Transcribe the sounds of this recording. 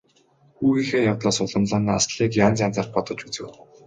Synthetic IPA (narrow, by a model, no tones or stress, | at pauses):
xuːɣiːxeːjawt̪ɮaːsʊɮə̆mɮaːnaːasɮiːkjaːnt͡saːnt͡sarχpɔt̪ɞ̆t͡ɕput͡sɘ̰̆w